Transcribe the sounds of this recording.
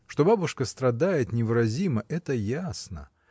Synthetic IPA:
ʂt̪o̞babʊʂkəst̪ɾɐd̪ajɪt̪nʲɪvɨɾɐzʲiməʔɛt̪əjasnə̰

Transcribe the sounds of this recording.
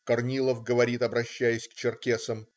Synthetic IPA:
kɐrnʲilˠəfɡəvɐɾʲit̪ɐbɾɐɕːæjɪsʲkt͡ɕɪrkʲesəm

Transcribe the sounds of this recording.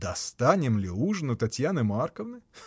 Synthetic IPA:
d̪̥ɐst̪ɑnʲɪmlʲiuʐnʊt̪ɐtʲjanɪmɑrkɔʋnɨ

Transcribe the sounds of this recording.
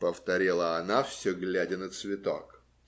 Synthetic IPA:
pəft̪ɐɾʲilˠəɐnafsʲɵɡlʲædʲɪnət̪svʲɪt̪o̰k

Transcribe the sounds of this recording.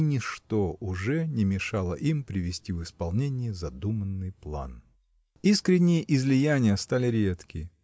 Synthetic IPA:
nʲɪʂt̪oʊʐɛnʲɪmʲɪʂalˠəʔimpɾʲɪvʲɪsʲtʲivɨspɐlˠnʲenʲɪjɪzɐd̪umənːɨjplˠa̰n | iskɾʲɪnʲːɪjəʔɪzlʲɪjænʲɪjəst̪alʲɪɾʲe̞t̪kʲɪ

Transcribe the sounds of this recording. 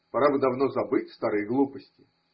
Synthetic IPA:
pɐɾabɨd̪ɐvno̞zɐbɨtʲst̪aɾɨjɡlˠupəsʲtʲɪ

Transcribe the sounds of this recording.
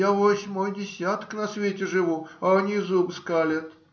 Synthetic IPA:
avosʲmojdʲɪsʲat̪knɐsvʲetʲɪʐɨvuɐɐnʲizubskalʲɪt̪

